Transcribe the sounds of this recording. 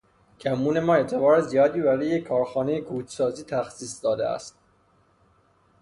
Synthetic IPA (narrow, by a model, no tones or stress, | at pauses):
cʰæmːuːne̞mɒːet̪ʰevɒːɾezijɒːd̪iːbæɾijekʰːɒːɾxɒːnejeɡuːt͡ʃʰsɒːziːt̪ʰæxsiːsd̪ɒːd̪ḛæ̰st̪̚